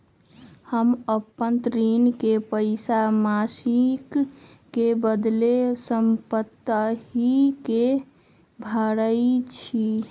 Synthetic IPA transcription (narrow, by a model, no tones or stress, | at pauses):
həməpːənt̪ɾinkepəɪsamasikː | ebəd̪lesəmpət̪ːəɦike | bʱəɾəɪt͡ʃʰi